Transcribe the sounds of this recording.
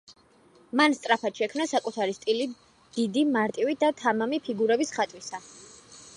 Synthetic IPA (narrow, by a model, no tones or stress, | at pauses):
manst̪sʼɾapʰat̪ʃɛkʰmnasakʼut̪ʰaɾist̪ʼili | d̪̥id̪imaɾt̪ʼiwid̪at̪ʰamamipʰiɡuɾɛbisχat̪ʼwisa